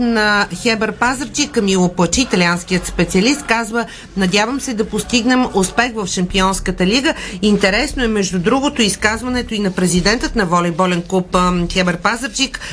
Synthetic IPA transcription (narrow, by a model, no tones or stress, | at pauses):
nɐxɛbɛɾpazəɾd͡ʒikmilˠopˠət͡ʃiːt̪ɐlʲiansk̟ijət̪spɛt̪siəlist̪̚kazvə | nɐd̪ʲjavəmsɛd̪ɐpost̪iɡnɛmʊspɛxvəfʃɐmpiɔnskət̪əliɡəint̪ɛɾɛsnoɛmɛʒd̪ud̪ɾuɡot̪oiskazvɐnɛt̪oinɐpɾɛzid̪ɛnt̪ət̪nɐvɔlʲɛjbɔlɛnkˠupxɛbɛɾpazəɾd͡ʒik